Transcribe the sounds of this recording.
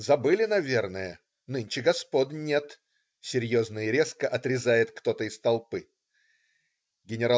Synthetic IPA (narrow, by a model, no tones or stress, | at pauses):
zɐbɨlʲɪnɐvʲe̞rnəjə | nɨnʲt͡ɕɪɡɐspod̪nʲet̪ | sʲɪɾʲjo̞znəjɪɾʲe̞skəʔɐt̪ɾʲɪzajɪt̪kt̪o̞t̪əɪst̪ɐlˠpɨ | ɡʲɪnʲɪɾa